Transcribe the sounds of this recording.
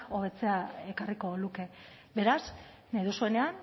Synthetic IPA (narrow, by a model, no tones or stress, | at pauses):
o̞β̞e̞t͡se̞ae̞kariko̞luke̞ | βe̞ɾas | nejðusue̞ne̞an